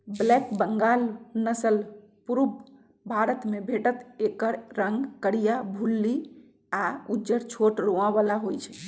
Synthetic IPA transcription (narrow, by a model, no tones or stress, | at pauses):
blɛkbəŋɡalnəsəl | puɾub | bʱaɾət̪mebʱeʈət̪ekəɾɾəŋɡkəɽijabʱulːi | aud͡ʒəɾt͡ʃʰoʈɾoabalaɦojt͡ʃʰɛ